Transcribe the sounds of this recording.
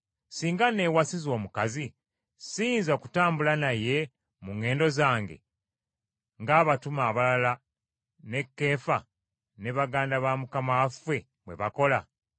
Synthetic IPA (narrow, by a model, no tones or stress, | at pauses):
siːŋɡane̞wasizo̞ːmukazi | siːnzoku̥taːmbulanaje̞ | muŋːe̞ːndo̞zaːŋɡe̞̰ | ŋɡaːβatumaːβalala | ne̞kːe̞ːfa | ne̞βaɡaːndaβamukamafwe̞ | mwe̞̰βako̞la